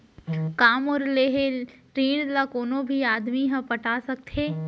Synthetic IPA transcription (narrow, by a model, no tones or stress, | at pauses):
kaːmɔːɾleːɦeɾiːɽlakoːnõbʱiaːd̪miɦɐ̃pɐʈaːsɐk̚t̪ʰeː